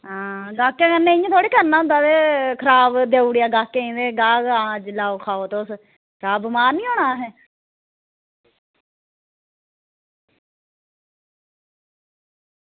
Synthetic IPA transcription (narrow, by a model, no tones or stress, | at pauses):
ɦãːɡaːkːjãːkənːẽɪjãːt̪ʰoːɽiːkəɾnãːnd̪aːd̪eːkʰəɾaːbd̪eːuːɽijaːɡaːkːẽĩːd̪eːɡaːɡãːd͡ʒlaːoːkʰaːoːt̪eʊs | kʰəɾaːbmaːɾnĩːɦoːɳaːɦɛː